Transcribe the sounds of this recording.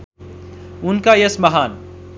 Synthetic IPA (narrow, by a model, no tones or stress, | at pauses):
ʊnkajesmɐɦaːn